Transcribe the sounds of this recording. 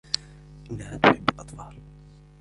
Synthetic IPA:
ʔɪnːahat̪ʊħɪbːlʔɑt̪ˤfɑːl

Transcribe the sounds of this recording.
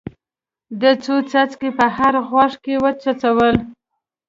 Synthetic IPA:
d̪ət͡sot͡sat͡skepəhaɾɣwɑʂkewət͡sat͡sawəl

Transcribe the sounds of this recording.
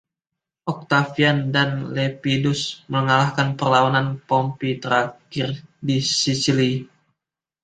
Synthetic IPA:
ʔɔk̚t̪afiandanlepidusməŋalahkanpərlawananpɔmpit̪əɾakɪrdisisili

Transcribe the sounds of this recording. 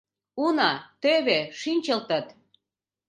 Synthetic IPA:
unɑt̪øβeʃinʲt͡ɕəlt̪ət̪

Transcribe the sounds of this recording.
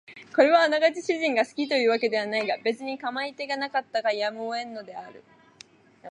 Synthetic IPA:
ko̞ɾe̞βaːnaɡat͡ɕiɕiʑĩŋɡasɨ̥kʲit̪o̞jɯ̟ːβake̞d̪e̞β̞anaiɡabe̞t͡sɨɲ̟ikamait̪e̞ɡanakat̪ːaɡajamɯoẽ̞nːo̞d̪e̞aɾɯ̟̰

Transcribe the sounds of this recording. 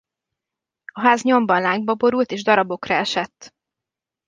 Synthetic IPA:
ɒɦaːzɲo̞mbɒnlaːŋɡ̚bɒbo̞ɾult̪eːʒd̪ɒɾɒbo̞krɒɛʃɛt̪ː

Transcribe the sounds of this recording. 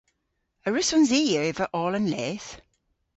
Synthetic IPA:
əɹɪsɔnziːjəevəʔɔːlə̃nlɛːθ

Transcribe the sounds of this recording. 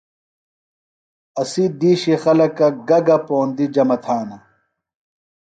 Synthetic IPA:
ɐsid̪iːɕixɐlɐkɐɡɐɡɐpoːnd̪id͡ʑɐmɐt̪ʰaːnɐ

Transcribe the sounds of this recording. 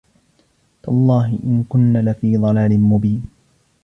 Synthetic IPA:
t̪lˤːɑːɦɪʔɪnkʊnːaːlafiːðˤɑlaːlɪnmʊbiːn

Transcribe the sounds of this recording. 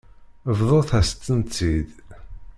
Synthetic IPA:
vðˤoθæst̪ːənt͡s̪ːid̪

